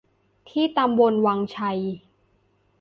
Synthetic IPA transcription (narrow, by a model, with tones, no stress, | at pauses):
t̪ʰiː˥˩t̪a˧mbo˧nwaː˧ŋt͡ɕʰa˧j